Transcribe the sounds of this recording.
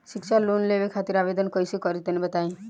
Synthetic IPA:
siksalonleʋekʰat̪iɾabed̪ənkɔjsikɔɾit̪ənebət̪aĩ

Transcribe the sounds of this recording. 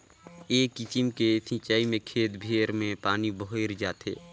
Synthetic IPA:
eːkːɪt͡ʃɪmkesʰɪ̃t͡ʃaːimẽkʰeːt̪bʱeːɾmẽpaːniboɦeɾd͡ʒaːt̪ʰḛː

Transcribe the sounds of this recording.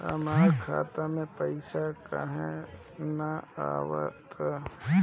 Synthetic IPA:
ə̰maːkʰaːt̪amẽpəɪsakaɦɛ | naa̰ːwə̰t̪a

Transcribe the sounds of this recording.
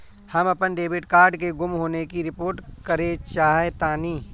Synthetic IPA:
hɐmɐpənɖeːbɪʈkaːɾɖkeɡʊmɦoːnekiɾɪpoːɾʈkɐɾet͡ʃaːɦet̪aːniː

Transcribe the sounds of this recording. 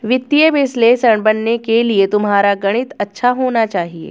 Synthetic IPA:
ʋɪt̪ːijeʋesleːsəɳbənːekeliet̪umɦaːɾaɡəɽ̃it̪ɐtːʃʰaɦonat͡ʃaːɦiḛ

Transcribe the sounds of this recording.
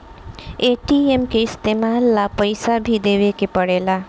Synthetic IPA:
eʈiemkeɪst̪emalːapəjsabʱid̪ewekepʌɽela

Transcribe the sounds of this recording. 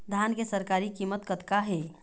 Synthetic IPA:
d̪ʱankesəɾkaɾikimət̪kət̪kaɦe

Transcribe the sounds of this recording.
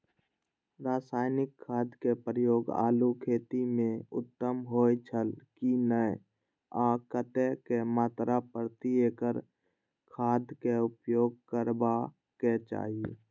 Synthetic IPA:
ɾaːsaːɪnɪkʰːaːd̪kepɾəjoːɡa̰ːlukʰeːt̪imẽʊ̰t̪ːəmɦoːjt͡ʃʰəlkinəj | aːkət̪ɛkemaːt̪ɾapəɾt̪ieːkəɾ | kʰaːd̪keʊpjoːɡ̚kəɾba | ket͡ʃa̰ːɦie

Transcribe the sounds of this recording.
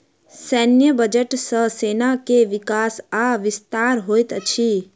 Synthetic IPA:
sɛːnjəbəd͡ʒəʈsəɦseːnakeʋɪkaːsaʋɪst̪aːɾɦoːjt̪ət͡ʃʰiː

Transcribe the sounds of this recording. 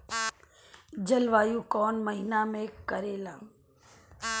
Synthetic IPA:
d͡ʒəlʋaːjũːkɔːnməɦinaːmẽːkːəɾeːlaː

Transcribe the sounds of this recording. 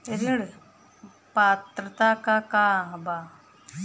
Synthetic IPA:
ɾiɽ | paːt̪ɾət̪aːkakaɦbaː

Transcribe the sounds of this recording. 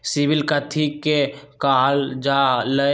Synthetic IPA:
sibɪlkət̪ʰikekaːɦld͡ʒalə

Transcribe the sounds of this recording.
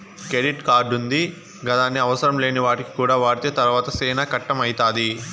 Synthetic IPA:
kɾeɖiʈkaːɖund̪i | ɡɐt̪aːnːiɐʋɐsɐɾɐmle̞ːniʋaːʈiki̥kuːɽaːʋaːɾt̪jɐt̪ɐɾʋaːt̪ɐsɛːnakɐʈːɐmɐjit̪aːd̪i

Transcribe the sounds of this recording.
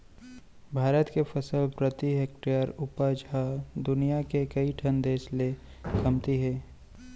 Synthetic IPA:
bʱaːɾət̪kefʰɐsəlpɾət̪iɦek̚ʈiəɾʊpad͡ʒʱad̪ʊnijakekɐiʈʰɐnd̪eːʃle | kɐmt̪iɦɛː

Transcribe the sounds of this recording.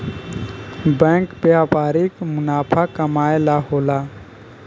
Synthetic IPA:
bɛ̃ːŋkbjaːpaːɾikmʊnaːpʰakəmaːelaɦoːlaː

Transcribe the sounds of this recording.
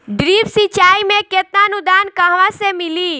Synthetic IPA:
ɖɾiːpsit͡ʃaːimẽket̪̚naənʊd̪aːnkəɦʋasemɪli

